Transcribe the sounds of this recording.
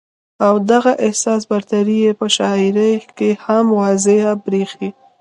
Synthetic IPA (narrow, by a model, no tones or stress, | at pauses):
awd̪aɣaʔɪhsɑs̬baɾt̪aɾijepəʃɑɪɾəjkehamwɑzɪhabɾexi